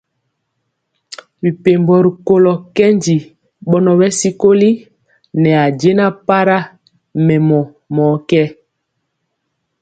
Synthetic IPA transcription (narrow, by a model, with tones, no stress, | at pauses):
wi˨pe˨mbɔ˨ɾi˨ko˦lɔ˨kɛ˦ɲd͡ʒi˨ | ɓɔ˦nɔ˨wɛ˦si˦ko˦li˦ | nɛ˨a˨d͡ʒe˦na˦pa˦ɾa˦ | mɛ˨mɔ˨ | mɔ˨kɛ˦